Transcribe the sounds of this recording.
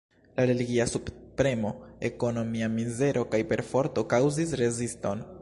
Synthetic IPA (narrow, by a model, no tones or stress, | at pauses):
laɾe̞liɡiasuppɾe̞mo̞e̞ko̞no̞miamize̞ɾʔo̞kajpe̞ɾfo̞ɾto̞kawzis̬ɾe̞zisto̞n